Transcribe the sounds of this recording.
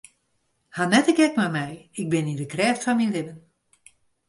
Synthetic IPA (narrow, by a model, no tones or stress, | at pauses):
hanɛtəɡɛkmamɛjɪk̚bɪnindəkrɛːftfɔnminlɪbən